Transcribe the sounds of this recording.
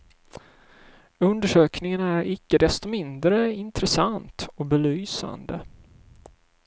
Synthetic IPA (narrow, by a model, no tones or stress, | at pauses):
ɵnd̪əʂøːknɪŋənæɾɪkːəd̪ɛst̪ɔmɪnd̪ɾəɪnt̪ɾəsant̪ɔbɛlyːsa̰nd̪ə